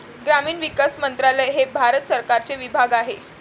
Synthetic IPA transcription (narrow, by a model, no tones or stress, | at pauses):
ɡɾamiːnʋikasmənt̪ɾaləjɦebʱaɾət̪səɾkaɾt͡seʋibʱaɡaɦe